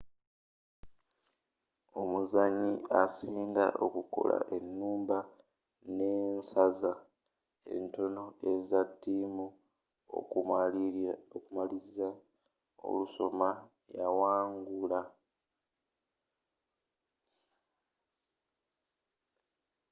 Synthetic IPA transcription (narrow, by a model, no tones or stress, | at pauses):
o̞muzaɲiasiːnda̰ʔokuko̞̰la̰ʔe̞nːuːmba | ne̞ːnsaza | e̞̰nto̞no̞e̞zatːimu | o̰ | okumaliza | o̰luso̞ma | jawaːŋɡula